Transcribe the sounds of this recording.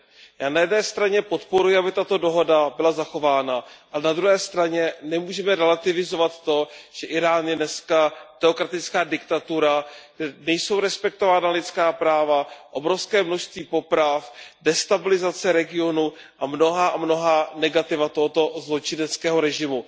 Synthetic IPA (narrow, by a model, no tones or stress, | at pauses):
jaːnajɛdnɛːst̪ɾaɲɛpot̪po̞ɾujɪabɪt̪at̪o̞do̞ɦo̞dabɪlazaxo̞vaːnaʔalɛnad̪ɾuɦɛːst̪ɾaɲɛnɛmuːʒɛmɛɾɛlat̪ɪvɪzo̞vat̪ːo̞ʒ̥ɛʔɪɾaːnjɛnɛskat̪ɛokɾat̪ɪt͡skaːdɪkt̪at̪uɾaɡdɛnɛjso̞wɾɛspɛk̚t̪o̞vaːnalɪt͡skaːpɾaːvaʔo̞bɾo̞fskɛːmnoʃst̪viːpo̞pɾafdɛst̪abɪlɪzat͡sɛɾɛɡɪo̞nu | ʔamno̞ɦaːʔamno̞ɦaːnɛɡat̪ɪvat̪o̞ɦot̪o̞zlo̞t͡ʃɪnɛt͡skɛːɦo̞ɾɛʒɪmu